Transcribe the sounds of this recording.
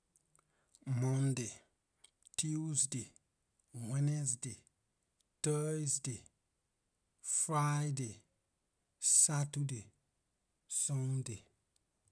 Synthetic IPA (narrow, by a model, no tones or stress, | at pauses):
mɔnde | tiusde | wɛnesde | təsde | fɾajde | satude | sonde